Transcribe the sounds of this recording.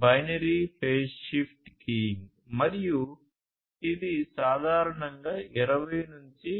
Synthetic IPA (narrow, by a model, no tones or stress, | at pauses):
bɐjnɐɾiːpʰeːʃːipʰʈkiːŋɡ | mɐɾiju | id̪isaːd̪ʱaːɾɐɳɐŋɡaːʔiɾɐʋɐjnuɲt͡ʃi